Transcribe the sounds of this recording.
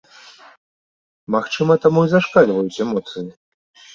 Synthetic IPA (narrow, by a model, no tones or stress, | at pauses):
maxt͡ʂɨmɐt̪amuizaʂkalʲvɐjut͡sʲɛmɔt̪sɨji